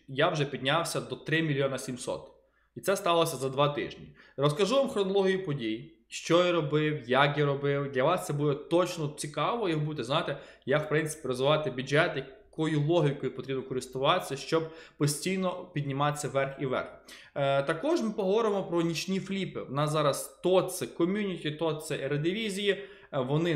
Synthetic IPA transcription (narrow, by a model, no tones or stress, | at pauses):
jawʒɛpʲid̪ʲnʲawsʲɐd̪ɔt̪ɾɪmʲilʲjɔnɐsʲimsɔ̰t̪ | it̪sɛst̪ɑlˠɔsʲɐzɐd̪ʋɑt̪ɪ̰ʒnʲirɔskɐʒuʋamxɾɔnɔlˠɔɦʲijʊpɔdʲij | ʃt͡ʃɔjaɾɔbɪwjakjaɾɔbɪwd̪lʲɐʋɑst̪sɛbud̪ɛt̪ɔt͡ʃnɔt͡sʲikɑʋɔjiɦbut̪ɛzajɪt̪ɛjawpɾɪnt̪sɪ̥pʲiɾɔzʋɪʋɑt̪ɪbʲud͡ʒɛt̪jɐ | kɔjʊlˠɔɦʲikɔjʊpɔt̪ɾʲibnɔkɔɾɪst̪ʊʋɑsʲːɐʃt͡ʃɔb̚pɔsʲtʲijnɔpʲid̪ʲnʲɪmɑt͡sʲːɐʋɛrxiʋɛ̰rx | t̪ɐkɔʒmɪpɔɦɔʋɔɾɪmɔpɾɔnʲit͡ʃnʲiflʲipɪʋɔnɑzɑɾɐst̪ɔt̪sɛkɔmʲunʲitʲit̪ɔt̪sɛʔɛɾɐd̪ʲɪʋʲizʲiji | ʋɔnɪ